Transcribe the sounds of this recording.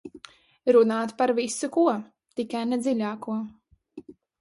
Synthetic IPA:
ɾunaːt̪paɾvisukuɔ | t̪ikajned̪zilʲaːkuɔ

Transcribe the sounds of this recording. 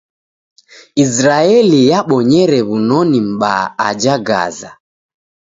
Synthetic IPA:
izɾaɛlijaɓɔɲɛɾɛβunɔnim̩ɓa̰a̰d͡ʒaɡa̰za̰

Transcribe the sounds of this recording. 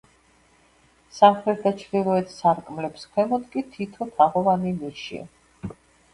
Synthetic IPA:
samχɛɾd̪at͡ʃʰɾilˠɔɛt̪ʰsaɾkʼmlɛpskʰwɛmɔd̪kʼit̪ʰit̪ʰɔt̪ʰaʁɔvanimiʃḭa̰

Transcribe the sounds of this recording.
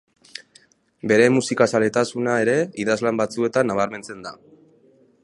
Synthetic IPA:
be̞ɾe̞musikasale̞t̪asunae̞ɾe̞iðazlambat͡sue̞t̪anːaβ̞aɾme̞nt͡se̞nd̪a

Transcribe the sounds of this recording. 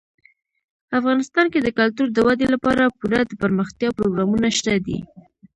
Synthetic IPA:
afɣɑnɪst̪ɑnked̪əkalt̪uɾd̪əwad̪elapɑɾapuɾad̪əpəɾməxt̪jɑpɾoɡɾɑmunaʃt̪ad̪ḭ

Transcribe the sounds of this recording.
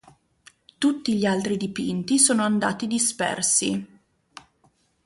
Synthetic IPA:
t̪ut̪ːiʎialt̪ɾid̪ipint̪isoːnoand̪a̰ːt̪id̪ispɛ̰rsi

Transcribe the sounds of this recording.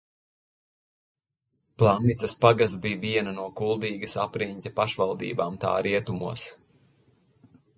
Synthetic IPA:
plˠanːit̪sɐspaɡasbiːviɛnanuɔkulˠd̪iːɡɐsa̰pɾiɲʲt̪ʲapaʃvalˠd̪ḭːbaːmt̪a̰ːɾiɛt̪umṵɔs

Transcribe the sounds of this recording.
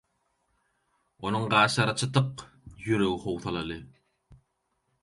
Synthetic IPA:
onuŋɢɑːʃɑɾɑt͡ʃʰɯt̪ɯq | jyɾøɣihowθɑlˠɑlˠɯ

